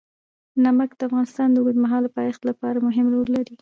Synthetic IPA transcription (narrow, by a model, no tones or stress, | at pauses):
namakd̪̥əafɣɑnɪst̪ɑnd̪əuɡəd̪maɦɑlpɑjɑxt̪lapɑɾamʊɦɪmɾoɾlaɾi